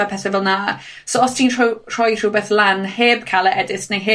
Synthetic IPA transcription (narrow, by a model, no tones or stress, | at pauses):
əpʰɛθəvɛlˠna | soɔstʰiːntutʰr̥ɔjtʰruːbɛθlanheːbkʰalˠəʔɛdɪsnejɦeː